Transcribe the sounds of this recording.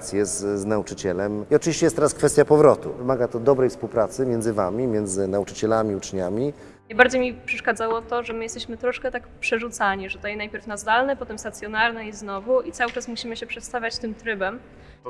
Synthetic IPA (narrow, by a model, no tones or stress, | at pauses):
t̪sʲjɛzznaut͡ʂɘt͡ɕɛlɛmiɔt͡ʂɨvʲiɕt͡ɕɛjɛst̪ɛɾaskfɛst̪japɔvɾɔt̪ṵvɘmaɡat̪ɔd̪ɔbɾɛjfspuwpɾat̪sɘmʲjɛnzɘvamʲimʲjɛnd̪zɘnaut͡ʂɘt͡ɕɛlamʲiut͡ʂɲamʲi | najbaɾd͡ʑejmʲipʂɛʂkad̪zawɔt̪ɔʐɛmɘjɛst̪ɛɕmɘt̪ɾɔʂkɛt̪akpʂɛʐut̪saɲiʐɛt̪ɔjɛnajpʲjɛɾfnazd̪alnɛpɔt̪ɛmst̪at̪sjɔnaɾnɛiznɔvuit̪sawɘt͡ʂasmuɕimɘɕɛpʂɛt̪st̪avʲjat͡ɕt̪ɘmt̪ɾɘbɛm